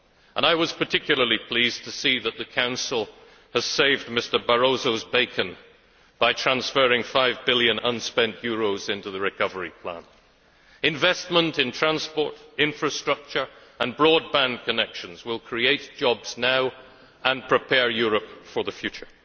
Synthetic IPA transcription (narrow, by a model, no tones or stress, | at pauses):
ə̃naɪwʌz̥pʰə˞tʰɪkʰjl̩ˠə˞lˠipʰl̥iztʰɨsiðət̪̚ðɨkʰãʊ̃nsl̩ˠ | əz̥seɪvdmɪstə˞bə˞oʊzoʊzbeɪkʰɨ̃n | b̥aɪtʰɹ̥æ̃nsfɜ˞ɪ̃ŋfaɪvbɪlˠjɨ̃nʌ̃nspɛ̃nʔjʊɹoʊzɪ̃ntʉðɨɹɨkʰʌvə˞ipʰl̥æ̰̃n | ɨ̃ɱvɛst̚mə̃ntɨ̃ntʰɹ̥æ̃nspɔɹɾɪ̃ɱfɹɨstɹ̥ʌk̚t͡ʃə˞ə̃nbɹɔd̚bæ̃nkʰɨnɛkʃɨ̃n̩zwɪlˠkʰɹ̥ieɪt̚d̥ʒ̥ɑbz̥naʊ | ə̃npʰɹ̥ɨpʰɛɹjʊɹəpfə˞ðɨfjʉt͡ʃə˞